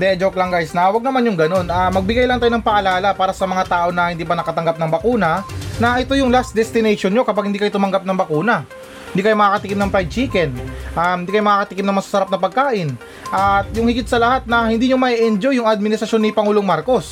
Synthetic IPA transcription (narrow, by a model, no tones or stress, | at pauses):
d̪ɛd͡ʒoplɐŋɡajsnɐwɐɡ̚nɐmanjʊŋɡɐno̞nʔamɐɡ̚bɪɡajlɐŋt̪aːjonɐŋpɐʔɐlaːlɐpaːɾɐsɐmɐŋat̪aːʔo̞nɐhɪnd̪iːpɐnɐkɐt̪ɐŋɡap̚nɐŋbɐkuːnɐnɐʔɛt̪o̞jʊŋlasd̪ɛst̪ɪnɛjʃonɲo̞kɐpaɡ̚hɪnd̪iːkɐjot̪ʊmɐŋɡap̚nɐŋbɐkuːnɐ | hɪnd̪iːkɐjomɐkaːkɐt̪ɪkɪmnɐŋpɾajd̪̚t͡ʃiːkɛnʔahɪnd̪ikɐjomɐkaːkɐt̪ɪkɪmnɐŋmɐsḁsɐɾap̚nɐpɐɡ̚kaːʔɪn | ʔɐt̪jʊŋhɪɡɪt̪sɐlɐhat̪̚nɐhɪnd̪iːɲomɐʔiʔɛnd͡ʒojʊŋɐd̪̚mɪnɪst̪ɾɐʃo̞nːɪpɐŋuːloŋmaɾko̞s